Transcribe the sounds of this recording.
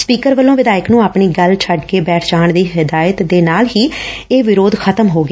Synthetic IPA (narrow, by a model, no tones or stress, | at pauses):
spiːkəɾʋəlːõːʋɪd̪aːɪknũːaːpɳiːɡəlt͡ʃʰəɖkeːbɛːʈʰt͡ʃaːɳd̪iːɦɪd̪aːjət̪d̪eːnaːlɦiː | eːʋɪɾoːd̪kʰət̪əmɦoːɡ